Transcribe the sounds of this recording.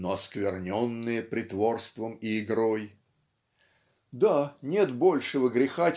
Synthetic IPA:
noɐskvʲɪrnʲo̞nːɨjəpɾʲɪt̪vo̞rst̪vəmɪɪɡɾoj | d̪anʲe̞t̪bo̞lʲʂɨvəɡɾʲɪxa

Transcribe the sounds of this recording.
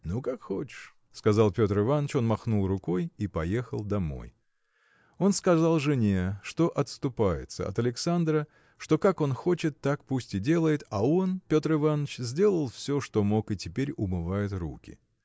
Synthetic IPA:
nukakxot͡ɕɪ̥ʂ | skɐzɑlˠpʲo̞t̪rɨvanːət͡ɕo̞nmɐxnulˠrʊko̞jipɐje̞xəlˠd̪ɐmo̞̰j | o̞nskɐzɑlˠʐɨnʲeʂt̪o̞ʔɐt̪st̪ʊpajɪ̰t̪sə̰ɐ̰t̪əlʲɪksand̪ɾə | ʂt̪o̞kako̞nxo̞t͡ɕɪt̪ːakpusʲtʲɪdʲe̞lˠəjɪt̪ɐo̞npʲo̞t̪rɨvanːət͡ɕzʲdʲe̞lˠəlˠfsʲo̞ʂt̪o̞mo̞kɨtʲɪpʲeɾʲʊmɨvajɪt̪rṵkʲɪ̰

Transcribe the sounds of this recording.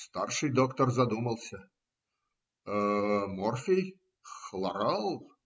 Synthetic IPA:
st̪arʂɨjd̪okt̪ərzɐd̪uməlˠsʲə | əmorfʲej | xlˠɐɾəlˠ

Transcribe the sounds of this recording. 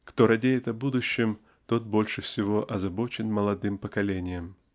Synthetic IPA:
kt̪o̞ɾɐdʲejɪt̪ɐbud̪ʊɕːɪm | t̪o̞t̪̚bo̞lʲʂɨfsʲɪvo̞ʔɐzɐbo̞t͡ɕɪnməlˠɐd̪ɨmpəkɐlʲenʲɪjəm

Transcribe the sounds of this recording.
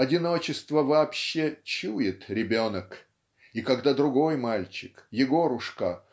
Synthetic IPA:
ɐdʲɪno̞t͡ɕɪst̪vəvɐːpɕːet͡ɕujɪt̪ɾʲɪbʲo̞nək | ikɐɡd̪ad̪ɾʊɡo̞jmalʲt͡ɕɪkjɪɡo̞ɾʊʂka

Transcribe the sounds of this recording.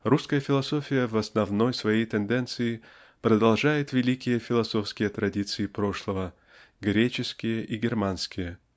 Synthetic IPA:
ruskəjəfʲɪlˠɐsofʲɪjəvɐsnɐvno̞jsvɐjejt̪ɛnd̪ɛnt̪sɨjɪ | pɾəd̪ɐlˠʐajɪt̪vʲɪlʲikʲɪjəfʲɪlˠɐsofskʲɪjət̪ɾɐdʲit̪sɨɪpɾo̞ʂlˠəvə | ɡɾʲet͡ɕɪskʲɪjəʔiɡʲɪrmanskʲɪjə

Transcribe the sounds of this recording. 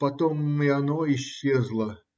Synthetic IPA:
pɐt̪omɪɐnoɪɕːezlˠə

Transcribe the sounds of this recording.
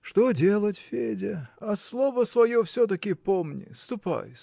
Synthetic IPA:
ʂt̪odʲelˠətʲfʲedʲəɐslˠovəsvɐjofsʲot̪əkʲɪpomnʲɪ̰st̪ʊpa̰js

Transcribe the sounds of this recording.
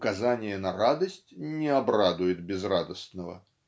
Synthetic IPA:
kɐzanʲɪjənɐrad̪əsʲtʲnʲɪɐbrad̪ʊjɪt̪̚bʲɪzrad̪əsnəvə̰

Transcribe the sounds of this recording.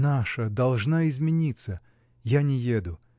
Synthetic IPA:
naʂəd̪ɐlˠʐnaɪzmʲɪnʲit̪sə | janʲɪjed̪ʊ

